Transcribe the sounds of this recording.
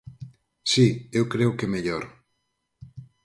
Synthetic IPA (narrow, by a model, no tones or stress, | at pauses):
siewkɾeʊkemeʎoɾ